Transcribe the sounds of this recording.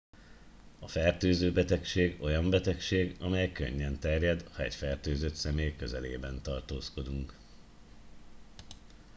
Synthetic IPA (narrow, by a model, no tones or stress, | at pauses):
ɒfɛrt̪øːzøːbɛt̪ɛkʃeːɡo̞jɒmbɛt̪ɛkʃeːɡɒmɛjkø̰ɲːɛnt̪ɛrjɛd̪hɒɛcfɛrt̪øːzøt̪sɛmeːjkøzɛlḛːbɛnt̪ɒrt̪oːsko̞d̪uŋk